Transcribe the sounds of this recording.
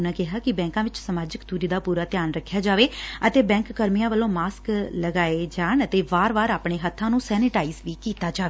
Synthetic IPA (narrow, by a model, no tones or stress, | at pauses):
ʊnãːkɪɦaːkɪbɛ̃ːŋkãːʋɪt͡ʃsəmaːd͡ʒəkt̪uːɾiːd̪aːpuːɾaːt̪ɪjaːnɾəkʰːjaːd͡ʒaːʋeːət̪eːbɛ̃ːŋkːəɾmijãːʋəlõːmaːskləɡaːed͡ʒaːɳət̪eːʋaːɾʋaːɾaːpɳeːɦət̪ʰːãːnũːsɛːnɪʈaːiːzʋiːkiːt̪aːd͡ʒaːʋeː